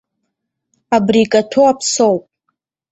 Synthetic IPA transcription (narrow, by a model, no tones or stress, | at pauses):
abrikʼatʰoapʰsowpʼ